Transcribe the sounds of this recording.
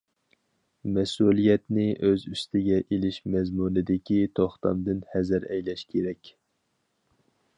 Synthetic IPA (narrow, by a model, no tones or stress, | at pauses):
mɛsulˠijɛt̪nɪʔøzyst̪ʰɪɡʲɛʔelɪʃmɛzmunɨd̪ɪkʲit̪ʰoχt̪ɑ̰md̪ɨnhɛzɨɾɛjlɛʃkʲʰeɾɛkʲ